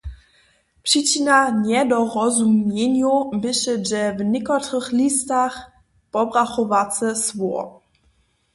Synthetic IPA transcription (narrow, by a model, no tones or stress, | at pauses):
pʂit͡ɕinaɲɛd̪ɔɾɔzumʲjeɲubɘɕɛʐɛvnɪkɔtɾəxlʲist̪ax | pɔbɾaxɔvat͡s̪ɛsvɔ